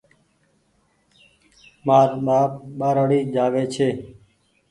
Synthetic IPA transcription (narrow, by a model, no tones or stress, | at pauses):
maːɾmaːmaːɾəɽiːd͡ʒaːʋeːt͡ʃʰeː